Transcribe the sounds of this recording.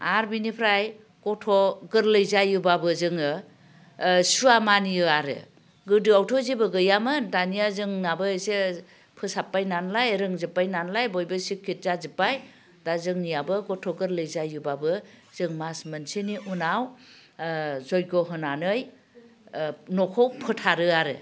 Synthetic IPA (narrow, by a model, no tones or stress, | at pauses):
aɾbinipʰɾaj | kɔtʰɔɡɯɾlɯjzajubabɯzɯŋɯ | suamanijɯaɾɯ̰ | ɡɯdɯawtʰɔzibɯɡɯjamɯndanijazɯŋnabɯse | pʰɯsapːajnanlajɾɯŋzɯpːajnanlajbɔjbɯsikʰːit̚zazipaj | dazɯŋnijabɯɡɔtʰɔɡɯɾlɯjzajubabɯzɯŋmasmɯnsiniʔunaw | zɔjɡɔɦɯnanɯj | nɔkʰɔwpʰɯtʰaɾɯaɾɯ̰